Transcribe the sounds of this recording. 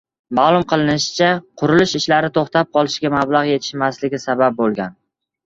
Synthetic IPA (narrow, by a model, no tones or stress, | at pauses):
maːlˠʊmqʰɨlˠɪnɪʃɪ̥t͡ʃʰaqʰʊɾɪlɪʃɪʃlaɾɪt̪ʰoχt̪ap̚qʰɒlˠɪʃɡʲamablˠaʁje̞t̪ʰɪ̥ʃmaslɪɡʲɪsabap̚bolˠɡʲan